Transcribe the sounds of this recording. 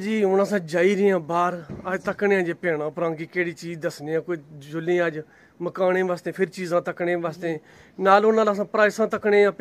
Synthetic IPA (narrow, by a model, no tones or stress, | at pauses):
d͡ʒiːʊnãːsãːd͡ʒaːiːɾɪːãːbaːɾəd͡ʒt̪əkɳeːãːd͡ʒeːpeːɳ̃ãːpɾãːkiːkeːɽiːt͡ʃiːd͡ʒd̪əsneːãːkoːiːd͡ʒʊlĩːaːd͡ʒ | məkaːɽẽːʋaːst̪ẽːpʰɪɾt͡ʃiːzãːt̪əkɳẽːʋaːst̪ẽː | naːlʊnaːlaːsãːpɾaːɪsãːt̪əkɳẽːãːp